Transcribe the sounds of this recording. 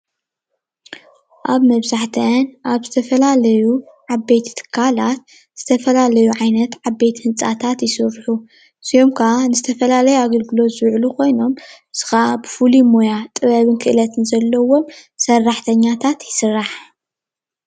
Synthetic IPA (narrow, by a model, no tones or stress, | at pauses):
ʔaβmɐβzaħt̪ʰɐnʔaβzɨt̪ʰɐfɐlalɐju | ʕaβe̞jt̪t̪ʰɨ̥kʰːalat̪ | z̥ɨt̪ʰɐfɐlalɐjuʕajnɐt̪ʕabe̞jt̪hɨnt͡sʼa̰t̪ʰat̪jɪsɨɾħu | siomkʰaʔanɨzɨt̪ʰɐfɐlalɐjuaɡɐlɡɨlo̞zɨʕlukʰo̞jno̞m | sɨ̥xaabɨfulimo̞jat̪ʼɨβɐβɨnkʰɨʔɨlɐt̪ʰɨnzɐlːɐwo̞msɐrːaħt̪ʰɐɲːat̪ʰat̪jɪsɨrːaħ